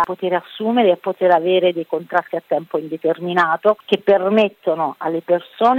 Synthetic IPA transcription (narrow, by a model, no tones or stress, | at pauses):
pːot̪eɾeasːuːmeɾeapːot̪eɾaveːɾed̪ejkont̪ɾat̪ːiat̪ːɛmpoind̪et̪erminaːt̪ok̟epːermet̪ːonoʔa̰lːepersoːn